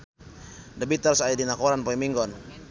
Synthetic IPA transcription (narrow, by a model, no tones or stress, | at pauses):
dabit̪alsaidinakɔɾanpɔimiŋɡɔn